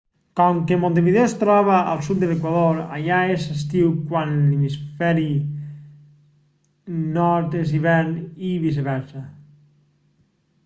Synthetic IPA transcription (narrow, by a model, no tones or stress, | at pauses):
kɔŋkemõnt̪̬eβiðewst̪ɾɔβaʔa̰lˠsut̪̚d̪elekwaðoɾa̰ʎaesest̪iwkwanlimisfɛɾi | nɔɾt̪es̬iβɛɾniβis̬eβɛɾsa